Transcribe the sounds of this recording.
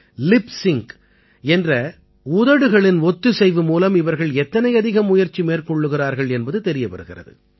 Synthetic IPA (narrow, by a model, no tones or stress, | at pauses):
lɪpsɪŋk | ɛndrɐ | ʊðɐɽɯɣɐɭɪnɔt̪ːɯsɛjʋɯmuːlɐmɪʋɐɾɣɐɭɛt̪ːɐnɐɪɐðɪɣɐmːʊjɐɾt͡ʃːimeːrkɔɭːɯɣɪraːɾɣɐɭɛnbɐðɯt̪ɛɾɪjɐpɐɾɯɣɪrɐ̰ðɯ̰